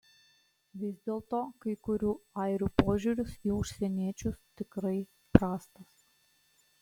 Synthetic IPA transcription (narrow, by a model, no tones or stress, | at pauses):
ʋʲɪzʲd̪ʲeːlˠt̪oːkɐɪkʊɾʲuːɐɪɾʲuːpoːʒʲuɾʲʊsiʊʃʲsʲɛnʲiɛt͡ʃʲʊst̪ʲɪkɾɐɪ | pɾɑːst̪ɐs